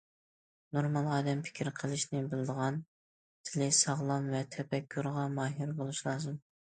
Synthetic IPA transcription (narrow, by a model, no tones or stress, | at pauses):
noɾmɑlˠʁɑːd̪ɛmpʰɪ̥kʲʰɾqʰəlˠɨʃnɪbɪlɨd̪əʁɑn | t̪ʰɪlɪsɑʁlˠɑmvɛt̪ʰɛpɛkʲʰːuɾʁɑmɑːɦiɾbolˠuʃlˠɑːzɨm